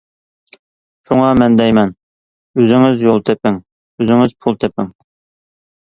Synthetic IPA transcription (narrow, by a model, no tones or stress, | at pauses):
ʃuŋɑmɛnd̪ɛjmɛn | øzɪŋɪzjolˠt̪ʰepɪŋ | øzɪŋɪz̥pʰulˠt̪ʰɛpɪŋ